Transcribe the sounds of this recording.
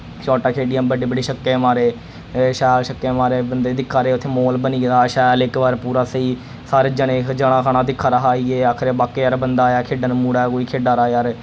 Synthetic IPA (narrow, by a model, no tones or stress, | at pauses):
t͡ʃɔːʈaːkʰeːɖijəmbəɖeːbəɖeːʃəkːeːmaːɾeː | ʃɛːlʃəkːeːmaːɾeːbənd̪eːd̪ɪkʰːaːɾeːʊt̪ʰːeːmoːlbəniːɾaːʃɛːlɪkʋaːɾpuːɾaːsiː | saːɾeːd͡ʒənẽːd͡ʒəɽ̃ãːkʰaːɳaːd̪ɪkʰːaːɾəɦaːiːeːakʰɾeːbaːkːeːəɾbənd̪aːjaːkʰeːɖənmuːɽaːkoːiːkʰeːɖaːɾaːeəɾ